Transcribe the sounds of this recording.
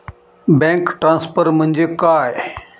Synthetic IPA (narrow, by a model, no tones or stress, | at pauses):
bɛ̃ːkʈɾãːnspʰəɾmə̃ɲd͡ʑekaːe